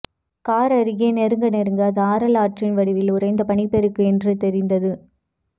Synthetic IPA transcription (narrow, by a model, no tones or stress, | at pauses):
kaːɾɐɾɯɣeːnɛɾɯŋɡɐnɛɾɯŋɡɐðɯaːɾɐlaːʈrɪnʋɐɽɪʋɪlʊɾɐɪnd̪ɐpɐɳɪpːɛɾɯkːɯɛndrɯt̪ɛɾɪnd̪ɐðɯ